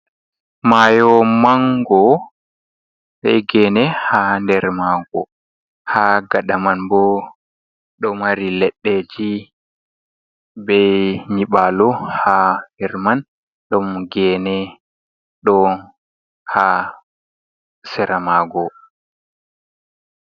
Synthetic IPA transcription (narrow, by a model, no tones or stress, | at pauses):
majɔmaŋɡɔ | ɓɛ̰jɡɛːnɛhandɛɾmaɡɔ̰ | haɡaɗamanbɔ | ɗɔmaɾilɛɗːɛd͡ʒi | bɛjɲiɓalɔhahɛɾman | ɗɔmɡɛːnɛ | ɗɔ | ha | sɛɾamaɡɔ